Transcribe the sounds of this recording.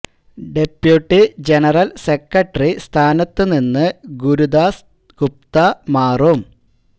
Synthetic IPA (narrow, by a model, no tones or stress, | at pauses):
ɖepjuʈːid͡ʑenɐrɐlsekːɐʈːɐrist̪ʰaːnɐt̪ːɨninːɨɡuɾud̪aːs | ɡ̥up̚t̪ɐmaːrom